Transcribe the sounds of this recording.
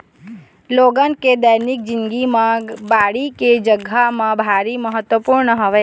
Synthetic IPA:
loːɡãnked̪əjnɪk̚d͡ʒɪ̃nɡimãbaɽiked͡ʒəɡʱamãbʱaɾiməɦət̪wəpuɾɳəɦoʋeː

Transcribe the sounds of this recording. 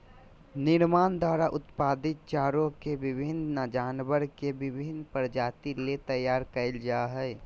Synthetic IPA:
nɪɾmaːnd̪waːɾaʔʊt̪paːd̪ɪt̪̚t͡ʃaːɾõkebɪbʱɪnnad͡ʒaːnbəɾkebɪbʱɪnpəɾd͡ʒaːt̪ilet̪əjaːɾkəɪld͡ʒaɦɛː

